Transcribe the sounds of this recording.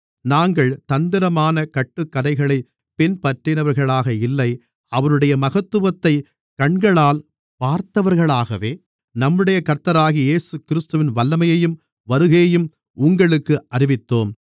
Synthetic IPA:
naːŋɡɐɭt̪ɐnd̪ɪɾɐmaːnɐkɐʈːɯkːɐðɐɪɣɐɭɐɪ | pɪnpɐʈrɪnɐʋɐɾɣɐɭaːɣɐɪlːɐɪ | ɐʋɐnɯɽɐjɐmɐɣɐt̪ːɯʋɐt̪ːɐɪ | kɐɳɡɐɭaːl | paːɾt̪ɐʋɐɾɣɐɭaːɣɐʋeː | nɐmːɯɽɐjɐkɐɾt̪ɐɾaːɣieːsɯkɪɾɪst̪ɯʋɪnʋɐlːɐmɐjɐjɯm | ʋɐɾɯɣeːjɯm | ʊŋɡɐɭɯkːɯʔɐɾɪʋɪt̪ːoːm

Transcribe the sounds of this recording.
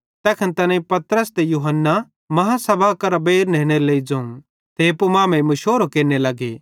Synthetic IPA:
t̪ɛːkʰɐnt̪ɐnãĩpɐt̪ɾəst̪ejuɦənːa | mɐɦasɐbʱakɐɾbeːɾneːɽ̃elɐid͡ʒɐ̃ːũ | t̪epumãːmẽmɐʃoːɾokeːnelɐɡḛ

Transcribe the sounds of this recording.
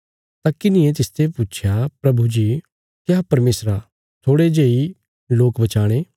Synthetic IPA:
t̪akɪnɪ̃ẽt̪ɪst̪ʰeput͡ʃʰjapɾɐbud͡ʒi | kapɐɾmeːsɾa | t̪ʰoːɽed͡ʒeːi | loːkbɐt͡ʃaːɽ̃eː

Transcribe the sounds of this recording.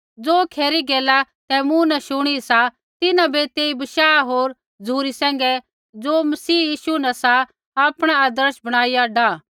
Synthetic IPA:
d͡zoːkʰeːɾiɡɛːla | t̪ɛmũnɛʃʊɽ̃isa | t̪ɪnãbet̪eːibɐʃaːɦoːɾ | d͡zʱuːɾisɛ̃ːŋ̆ɡɛ | d͡zoːmɐsiːjiːʃunɛsa | aːpɽ̃aaːd̪əɾʃbɐɽ̃aːijaɖaː

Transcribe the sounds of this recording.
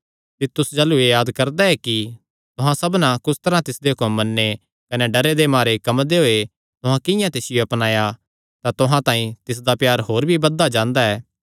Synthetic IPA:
t̪ɪt̪ːʊsd͡ʒɐluejaːd̪kɐɾd̪aɛki | t̪ʊɦãsɐbnãkʊst̪ɐɾãt̪ɪsd̪eɦʊkɐmːɐnːe | kɐneɖɐɾed̪emaːɾekɐmd̪eɦoːe | t̪ʊɦãkɪ̃jãt̪ɪsɪjoɐpnaːja | t̪at̪ʊɦãt̪ãːĩt̪ɪs̬d̪apjaːɾɦoːɾbʱibɐd̪ːad͡ʒãːnd̪aɛː

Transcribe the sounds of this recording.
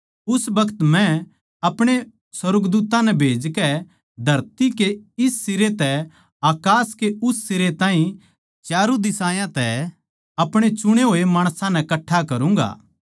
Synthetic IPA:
ʊsbɐkʰət̪mɛ̃ | ɐpɽ̃e | swɐɾɡd̪uːt̪ãnɛbʱeːd͡ʒkɛ | d̪ʱɐɾt̪ikeɪstɪɾet̪ɛ | aːkaːskeʊst̪ɪɾet̪ãːɦĩ | t͡ʃjaːɾud̪ɪsaːjãt̪ɛ | ɐpɽ̃et͡ʃʊɽ̃eɦoːemaːɽ̃sãnɛkɐʈʰːakɐɾũːŋɡa̰ː

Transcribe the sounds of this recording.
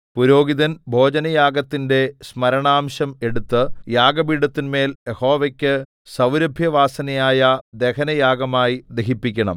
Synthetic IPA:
puɾo̞ːɡiðɐnbʱo̞ːd͡ʑɐnɐjaːɡɐt̪ːinde̞smɐɾɐɳaːmɕɐme̞ɽut̪ːɨjaːɡɐbiːɽɐt̪ːinme̞ːljeho̞ːʋɐkʲːɨ | sɐwɾɐbʱjɐʋaːsɐnɐjaːjɐd̪e̞kɐnɐjaːɡɐmaːjid̪eɦipːikʲːɐɳɐ̰m

